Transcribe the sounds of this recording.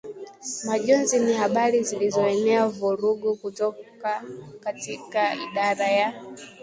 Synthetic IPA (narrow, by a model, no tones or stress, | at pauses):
maʄɔnzinihaɓaɾizilizɔɛnɛavuɾuɡukutɔkakatikaiɗaɾaja